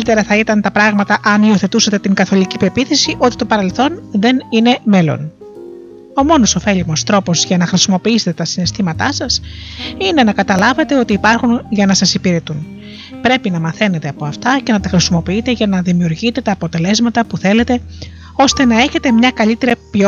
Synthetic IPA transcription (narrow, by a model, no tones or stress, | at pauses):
it̪eɾɐθɐit̪ɐnt̪ɐpɾɐɣmɐt̪ɐʔɐnio̞θe̞t̪usɐt̪e̞t̪iŋɡɐθo̞licipe̞piθesiʔo̞t̪i̥t̪o̞pɐɾe̞lθo̞nðe̞nine̞me̞lo̞̰n | o̞mo̞no̞so̞fe̞ʎimost̪ɾo̞po̞zʝɐnɐxɾisimo̞piise̞t̪et̪ɐsinest̪imɐt̪ɐsɐsine̞nɐkɐt̪ɐlɐve̞t̪e̞o̞t̪iːpɐɾxunʝɐnɐsɐsipiɾe̞t̪un | pɾe̞pinɐmɐθe̞ne̞t̪e̞ɐpo̞ɐft̪ɐce̞nɐt̪ɐxɾisimo̞piit̪e̞ʝɐnɐðimiuɾʝit̪e̞t̪ɐːpo̞t̪e̞le̞zmɐt̪ɐpuθe̞le̞t̪e̞ | o̞st̪e̞nɐe̞çe̞t̪e̞mɲɐkɐʎit̪e̞ɾipo